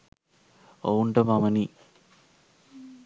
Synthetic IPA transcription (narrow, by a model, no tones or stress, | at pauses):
ouɳɖɐmamɐni